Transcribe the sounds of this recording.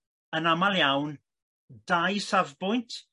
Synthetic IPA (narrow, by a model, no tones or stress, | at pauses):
ənamalˠjawn | d̥ajsavbʊjntʰ